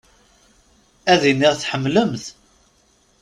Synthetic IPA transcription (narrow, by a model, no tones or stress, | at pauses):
æðinːiʁθħəmːləmθ